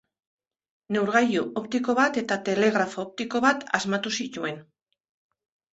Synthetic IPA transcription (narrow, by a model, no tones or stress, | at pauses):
ne̞wɾɣajuʔopt̪iko̞βat̪e̞t̪at̪e̞le̞ɣ̞ɾafoːp̚t̪iko̞βat̪azmat̪usit̪ue̞n